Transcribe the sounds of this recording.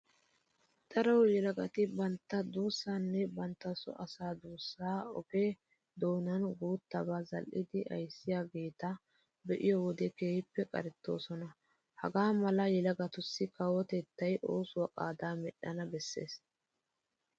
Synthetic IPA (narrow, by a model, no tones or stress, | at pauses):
t̪ɐɾɐwjɛlɐɡɐt̪ɪbɐnt̪ːɐd̪uːsːaːnːɛbɐnt̪ːɐsɔ̰ʔɐsaːd̪uːsːaːɔ̰ɡe | d̪o̞ːnɐnɡuːt̪ːɐbaːzɐ̰lʔɪd̪ɪʔɐ̰jsːɪjaːɡe̞ːt̪ɐ | bɛʔɪjɔwɔd̪ɛkeːhɪpːɛkʼɐ̰ɾɛt̪ːo̞̰ːsɔnɐ | hɐ̰ɡaːmɐlɐjɛlɐɡɐt̪ʊsːɪkɐwɔt̪ɛt̪ːɐjʔo̞ːsʊwakʼa̰ːd̪aːmɛɗːɐnɐbɛsːe̞̰ːs